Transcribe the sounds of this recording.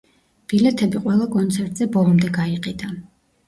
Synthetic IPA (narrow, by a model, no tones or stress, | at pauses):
b̥ilɛt̪ʰɛbiqʼwɛlˠakʼɔnt̪sʰɛɾt̪ʼz̥ɛbɔlˠɔmd̪ɛɡaiqʼid̪a